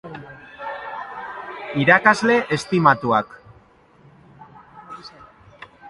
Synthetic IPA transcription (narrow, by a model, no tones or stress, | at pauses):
iɾakazle̞ʔest̪imat̪uak